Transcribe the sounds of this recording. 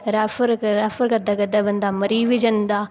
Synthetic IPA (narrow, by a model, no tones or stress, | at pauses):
ɾaːfəɾɾaːfəɾkɐɾd̪aɡɐd̪aːbɐ̃nd̪aːmɐɾiːʋɪd͡ʒɐnd̪aː